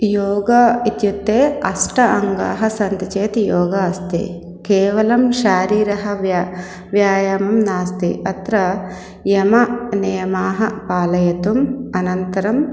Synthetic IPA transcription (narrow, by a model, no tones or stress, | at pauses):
joːɡɐit̪jut̪ːeːɐsʈɐʔɐŋɡa̰ːɦɐsɐnt̪ɐt͡ʃeːt̪ijoːɡɐɐst̪ḭ | keːʋɐlɐmʃaːɾiːɾɐɦɐʋja | ʋjaːjaːmɐmnaːst̪ḭʔɐt̪ɾɐ | jɐmɐnɐjɐmaːɦɐpaːlɐjɐt̪umɐnɐnt̪ɐɾɐm